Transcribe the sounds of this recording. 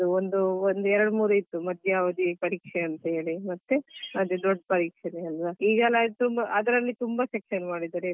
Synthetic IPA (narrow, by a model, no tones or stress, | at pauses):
ɐuond̪uond̪uɛɾɐɽmuːɾuit̪ːumɐd̪ʱjɐɐʋɐd̪ipɐɾiːkʂeɐnt̪ɐɦe̞ːɭimɐt̪ːeɐd̪ed̪ɔɖːpɐɾiːkʂɐneɐlʋɐiːɡɐlɐt̪umbɐʔɐd̪ɐɾɐlːit̪umbɐsekʃɐnmaːɽid̪aɾe